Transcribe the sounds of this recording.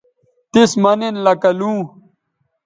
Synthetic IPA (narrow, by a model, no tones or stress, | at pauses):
t̪ismɐnenlɐkɐlũː